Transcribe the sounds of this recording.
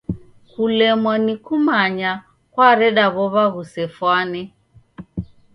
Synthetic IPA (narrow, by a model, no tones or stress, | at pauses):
kulɛmwanikumaɲa | kwaɾɛɗaβɔβaɣusɛfwanɛ